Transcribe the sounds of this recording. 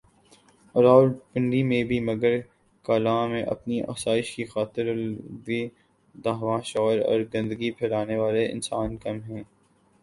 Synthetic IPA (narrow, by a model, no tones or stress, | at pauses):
ɾaːʊlpɪ̃ɳɖimẽbʱimɐɡəɾ | kaːlãːmẽʔɐ̰pniʔa̰ːsaːɪʃkixaːt̪ɪɾdi | d̪aːɦʋãːʃɔːɾɔ̰ːɾɡɐ̃nd̪əɡipʰɛlaːneʋaːleɪ̰̃nsaːnkɐmɦɛ̃ː